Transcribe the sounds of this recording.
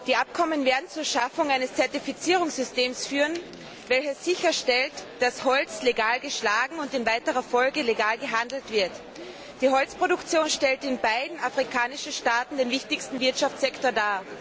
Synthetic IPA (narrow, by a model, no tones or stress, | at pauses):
d̥iːʔapkʰɔmənveːɐdn̩t͡suːɐʃafʊŋaɪnəst͡sɛɐtifit͡siːʁʊŋsz̥ʏsteːmsfyːʁən | vɛlçəsz̥ɪçɐʃtɛltd̥ashɔlt͡sleɡaːlɡəʃlaːɡŋ̩ʊntɪnvaɪtəʁɐfɔlɡəleɡaːlɡəɦandl̩tv̥ɪɐt | d̥iːɦɔlt͡spʁ̥oɾʊkt͡sjoːnʃtɛltɪnbaɪdn̩afʁikʰaːnɪʃn̩ʃtaːtn̩deːnvɪçtɪçstn̩vɪɐtʃaft͡sɛktoːɐdaː